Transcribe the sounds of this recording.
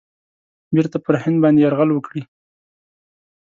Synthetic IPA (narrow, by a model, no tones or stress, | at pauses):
beɾt̪apəɾhɪnd̪̚bɑnd̪ejaɾɣalwəkɽi